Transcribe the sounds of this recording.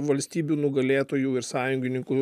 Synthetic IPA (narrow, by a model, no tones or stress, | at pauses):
ʋɐlʲsʲt̪ʲiːbʲuːnʊɡɐlʲeːt̪oːjuːɪɾsɑːjʊŋʲɡʲɪnʲɪŋkʊ